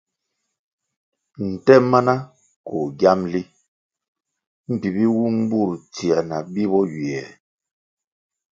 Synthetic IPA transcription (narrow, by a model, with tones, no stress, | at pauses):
n̩˨tɛ˦ma˦na˦ | ko˨ɡja˦mli˦ | m̩˦˨pi˨bi˦wu˦m̩˦bu˦˨ɾti˨a˨na˨bi˦bɔ˦ɥi˨ɛ˨